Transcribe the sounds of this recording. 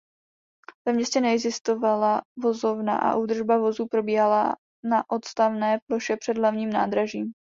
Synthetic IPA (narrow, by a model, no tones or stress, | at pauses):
vɛmɲɛscɛnɛɛɡzɪst̪ovalavo̞zo̞vna̰ʔa̰ʔuːd̪r̩ʒbavo̞zuːpɾo̞biːɦala | naʔo̞t̪st̪avnɛːplo̞ʃɛpr̥ɛdlavɲiːmnaːd̪ɾaʒiːm